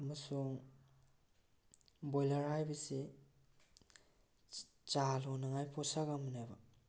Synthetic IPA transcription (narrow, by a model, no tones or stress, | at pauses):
ɐmɐsuŋ | bojlaɾhajbɐsi | t͡ʃalonaŋajpʰɔsaɡaminajba